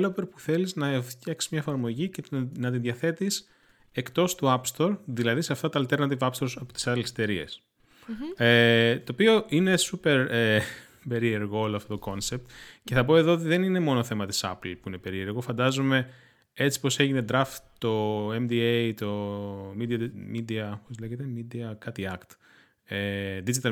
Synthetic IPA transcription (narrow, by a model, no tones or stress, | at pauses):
lopeɾpuθe̞liznɐft̪çɐksi̥zmɲɐefɐɾmo̞ʝicnɐt̪inðʝɐθe̞t̪is | ekt̪o̞st̪uɐpst̪o̞ɾðilɐðiseɐft̪ɐt̪ɐːlt̪eɾnɐt̪ivɐpst̪o̞ɾsɐpot̪i̥sɐlset̪e̞ɾie̞̰s | et̪oːpio̞ʔine̞supe̞ɾe | pe̞ɾie̞ɾɣooloɐft̪ot̪oko̞nse̞p̚t̪ce̞θɐp̬o̞e̞ðo̞ot̪iðe̞nine̞mo̞noθe̞mɐt̪i̥sɐ̰plpuinepe̞ɾie̞ɾɣo̞fɐnd̪ɐzome̞ | e̞t͡si̥po̞se̞ʝine̞d̪ɾɐft̪t̪o̞emd̪iejt̪o̞mid̪iɐmid̪iɐopozleʝet̪emid̪iɐkɐt̪iɐkt̪ | ed̪id͡ʒit̪ɐ